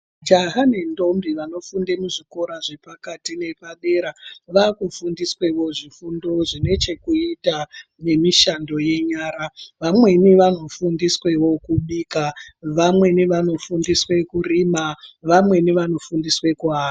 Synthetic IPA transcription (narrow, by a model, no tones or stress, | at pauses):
d͡ʒaɦanendo̞mbiʋano̞fundemuʐiko̞ɾaʐe̞pakatine̞paɓe̞ɾaʋakufundiswe̞wo̞ʐifundo̞ʐine̞t͡ʃe̞kuita | ne̞miʃando̞je̞ɲaːɾaʋamwe̞niʋano̞fundiswe̞wo̞kuɓiːkaʋamwe̞niʋano̞fundiswe̞kuriːmaʋamwe̞niʋano̞fundiswe̞kuaːa